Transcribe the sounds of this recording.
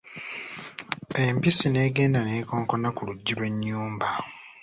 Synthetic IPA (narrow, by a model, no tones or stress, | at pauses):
e̞mpisine̞ːɡe̞ːndane̞ːko̞ːŋko̞nakuluɟːilwe̞ɲːuːmba